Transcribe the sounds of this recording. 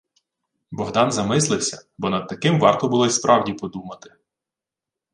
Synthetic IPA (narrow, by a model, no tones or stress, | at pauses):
bɔɦd̪ɑnzɐmɪslˠɪwsʲɐ̰bɔnɐd̪̚t̪ɐkɪmʋɑrt̪ɔbʊlˠɔispɾʔɑwdʲipɔd̪umɐt̪ɪ̥